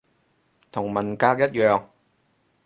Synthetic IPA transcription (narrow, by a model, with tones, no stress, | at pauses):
t̪ʰʊ˨˩ŋmɐ˨˩nkaː˧k̚jɐ˥t̚jœː˨ŋ